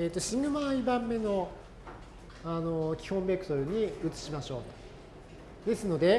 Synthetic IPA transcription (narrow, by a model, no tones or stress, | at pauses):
eːt̪ːoɕĩŋɡɯ̟maibãmːe̞no̞ | ano̞kʲi̥hõ̞mbe̞kɯ̟t̪o̞ɾɯ̟ɲ̟iɯ̟t͡sɨ̥ɕimaɕo̞̰ːt̪o̥ | d̪e̞sɨno̞d̪e̞